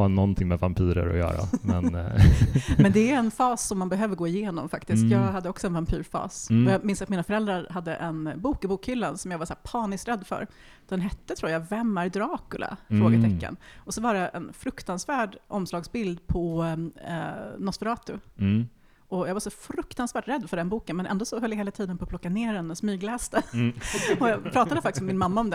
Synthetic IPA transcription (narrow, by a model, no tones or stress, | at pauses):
nːɔnt̪ʰɪŋmɛvampʰiːɾə̰ɾɔ̰jœ̰ːɾa̰mɛn | mɛnd̪ɛæɾɛnfɑːsːɔmːanbɛɦøːvəɾɡoːɪjeːnɔmfakt̪ɪst̪jɑːɡhad̪ːəɔksɔɛnvampʰyːɾfɑ̰ːsɔjɑmɪnsat̪miːnafœɾɛld̪ɾaɾɦad̪ːə̰ʔɛnbuːkɪbuːkhʏlːansɔmjɑːɡvaʂæːɾpʰɑːnɪst̪ɾɛd̪ːfœ̰ɾ | d̪ɛnɦɛt̪ːət̪ʰɾuːjavɛmːæɾd̪ɾɑːkɵlʔa̰fɾoːɡət̪ʰɛkːa̰nɔsɔvaɖɛʔɛ̰nfɾɵkt̪ansvæːɖʔɔmslɑːɡsbɪld̪pʰɔ̰ | nɔsfəɾɑːt̪ʊ | ʔɔjɑːɡvaɾʂɔfɾɵkt̪ansvæːʈɾɛd̪ːfœɖɛnbuːkənmɛnʔɛ̰nd̪oɔsɔɦœljaheːlat̪ʰiːd̪ənpʰɔpʰlɔkːaneːɾɛnːɛsmyːɡlɛːst̪ə | ɔjɑːpʰɾɑːt̪ad̪əfakt̪ɪsmɛmɪnmamːaɔmd̪ɛ